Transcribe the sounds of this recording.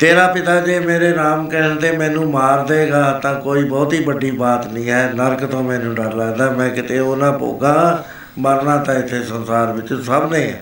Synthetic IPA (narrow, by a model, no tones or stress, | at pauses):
t̪eːɾaːpɪt̪aːd͡ʒeːmeːɾeːnaːmkɛːnt̪eːmɛ̃ːnũːmaːɾd̪eːɡaːt̪ãːkoːiːbɔːt̪ɦiːbəɖiːbaːt̪nĩːɦɛːnəɾkt̪õːmɛ̃ːnũːɖəɾlaːɛd̪aːmɛ̃ːkɪt̪eːonãːpo̰ːɡãː | məɾnãːt̪ãːɪt̪ʰːeːsənsaːɾʋɪt͡ʃsəbnẽːɛ̰ː